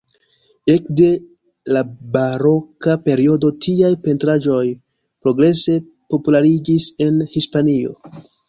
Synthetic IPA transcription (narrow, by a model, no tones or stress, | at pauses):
e̞kde̞ | labaɾo̞kape̞ɾio̞do̞tʰiajpe̞ntɾaʒo̞j | pɾo̞ɡɾe̞se̞ | po̞pulaɾid͡ʒise̞nhispanio̞̰